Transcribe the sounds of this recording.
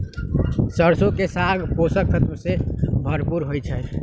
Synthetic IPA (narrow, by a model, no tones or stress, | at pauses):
səɾsokesaɡʱposəkʰːət̪msebʱəɾpuɾɦojt͡ʃʰɛ